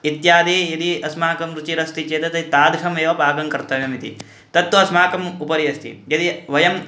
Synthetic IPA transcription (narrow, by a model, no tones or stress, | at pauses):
it̪jaːd̪ijɐd̪iɐsmaːkɐmɾut͡ʃiɾɐst̪it͡ʃeːt̪ɐt̪ɐit̪aːd̪ʱkʰɐmeːʋɐpaːɡɐŋkɐɾt̪ːɐʋemit̪ḭ | t̪ɐt̪ʋɐɐsmaːkɐmupɐɾijɐst̪ʰḭjɐd̪iʋɐjɐm